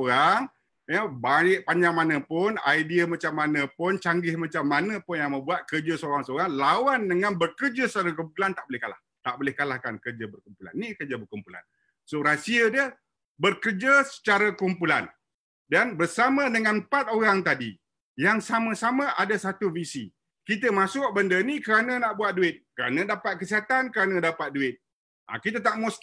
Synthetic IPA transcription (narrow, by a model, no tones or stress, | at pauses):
oɣaŋ | jəbaɪʔ̚paɲd͡ʒaŋmanə̃pʊna̰jdiəmat͡ʃamːanə̃pʊnt͡ʃaŋɡɪhmat͡ʃamːanə̃pʊnjaŋmə̃mbuat̪̚kərd͡ʒasəoɾaŋsəoɾaŋlawandəŋãnbərkərd͡ʒasə̥t͡ʃaɾak̬umpulant̪aʔbolɪhkala̰h | t̪aʔbolɪhkalahkankərd͡ʒabərkumpula̰nːikərd͡ʒabərkumpula̰n | soɾasiədiə | bərkərd͡ʒasə̥t͡ʃaɾakumpulan | danbərsamə̃dəŋanpat̪̚oɾaŋt̪adi | jaŋsamə̃samə̃ʔadasat̪uvisḭ | kit̪̬əmãsʊk̚bəndənikəɾanə̃naʔbuat̪̚duɪt̪̚kəɾa̰nə̃dapat̪̚kəsiɦat̪ankəɾanə̃dapat̪̚duɪt̪̚ | ʔa̰kit̪̬ət̪aʔmus